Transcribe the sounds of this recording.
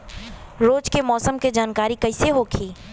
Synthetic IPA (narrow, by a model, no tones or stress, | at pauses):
ɾoːd͡ʒkemɔːsəmked͡ʒaːnkaːɾikɐɪseɦoːkʰiː